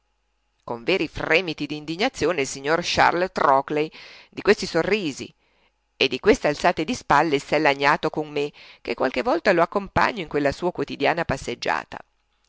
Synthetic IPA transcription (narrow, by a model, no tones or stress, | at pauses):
koɱveːɾifrɛːmit̪id̪iːnd̪iɲːat̪sːjoːneilsiɲːorʃa̰rlt̪ɾɔklejd̪ikwest̪isorːiːzḭ | ed̪ːikwest̪ealt̪saːt̪ed̪ispalːesɛlːaɲːaːt̪okoŋmek̟ekwalk̟evːɔlt̪aloakːompa̰ɲːoiŋkwelːasuːakwot̪id̪jaːnapasːed͡ʒːa̰ːt̪a̰